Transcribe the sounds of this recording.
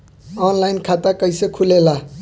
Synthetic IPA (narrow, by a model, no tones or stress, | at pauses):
ʌnlajnkʰat̪akʌjsekʰulela